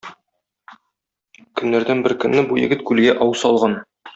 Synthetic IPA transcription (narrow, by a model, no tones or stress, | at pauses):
kɵ̆nːæɾd̪ænbɘɾkɵ̆nːɘbujɘ̰̆ɡɘt̪kʉlɡæʔɒwsɒlˠʁɑn